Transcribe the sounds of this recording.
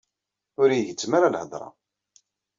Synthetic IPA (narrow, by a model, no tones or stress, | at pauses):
ʊɾijʝət͡sːmaɾalhəd̪ˤɾˤɑ̰